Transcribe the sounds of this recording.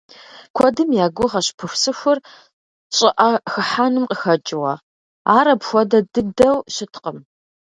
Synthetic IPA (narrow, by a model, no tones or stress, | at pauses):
kʷʰɔdɨmjaːɡʷʊʁɐɕpʰɨxʷsɨxʷʊr | ɕʼɪʔɐxɨħaːnɨmqʼəxɐt͡ʃʼɪwɐ | aːɾɐpxʷɔdɐdɨdɐwɕɪtʰqəm